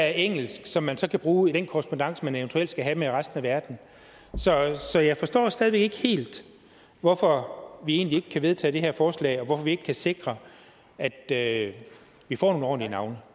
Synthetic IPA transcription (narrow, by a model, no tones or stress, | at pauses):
æɐeŋ̰l̩sɡ̥sɒ̽mːænsɒ̽kʰæb̥ʁuːid̥enkʰɒəsb̥ondɑ̈ŋ̰səmæneon̩t͡sʰueld̥sɡ̥æɦæmeʁasd̥n̩æʋæɐd̥n̩ | sɒ̽sɒ̽jɑ̈ɪfɒ̽sd̥ɔ̰ːsd̥ɛð̞ˠʋe̝ɡ̥e̝ɡ̥he̝̰ːld̥ | ʋɒfɒ̽ʋie̝̰ːnlie̝ɡ̥əkʰæʋe̝ð̞ˠt͡sʰɛ̰ːd̥e̝ɦeɐfɒːslɛ̰ːɒ̽ʋɒfɒ̽ʋie̝ɡ̥kʰæse̝ɡ̥ʁɐ | æd̥ø | ʋifɒ̰ːno̝ːɒ̰ːnlinɑ̈ʊnə